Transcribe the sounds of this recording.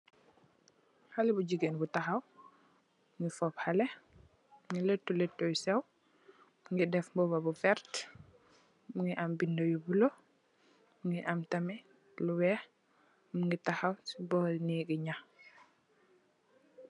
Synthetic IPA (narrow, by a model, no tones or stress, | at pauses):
halɛbuɟiɡenbutaxaw | muŋɡifɔphalɛ | uŋɡilɛtːulɛtːɔjsɛw | muŋɡidɛfmbɔbabufɛɾt | muŋɡiʔambindojubulo | muŋɡiʔamtɐmɛ | luwɛ | muŋɡitaxawsibɔːlniɡiɲa